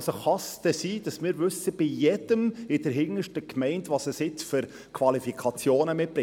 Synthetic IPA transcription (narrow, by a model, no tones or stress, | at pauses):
soχɑst̪ɛsiːd̥ɑsmɪːɾʋʏsəb̥ijɛd̥əmɪd̥əɾɦɪŋəʃtəkmɛɪntvɑsəsɪt͡sfʏɾ | kʰvɑlifikʰɑt͡sjoːnəmɪt̚pɾɪ